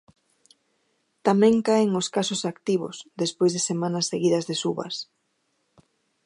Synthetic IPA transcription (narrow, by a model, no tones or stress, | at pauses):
t̪amɛ̃ŋkaɪŋoskasʊsakt̪iβʊ̰sðespojzðesemanɐsːeɣiðɐzðesuβɐ̰s